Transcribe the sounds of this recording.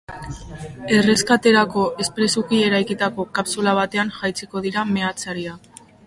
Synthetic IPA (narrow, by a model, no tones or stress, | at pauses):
e̞re̞skat̪e̞ɾako̞ʔe̞spɾe̞sukie̞ɾajkit̪ako̞kapsulaβ̞at̪e̞anʝajt͡siko̞ðiɾame̞at͡saɾia